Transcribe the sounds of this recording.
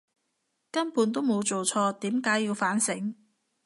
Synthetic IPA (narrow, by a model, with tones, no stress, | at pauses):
kɐ˥npuː˨˥nt̪̬o˥wmo˨˧wt͡so˨wt͡sʰɔː˧t̪iː˨˥mkaː˨˥jːiː˧wfaː˨˥nsɪ˨˥ŋ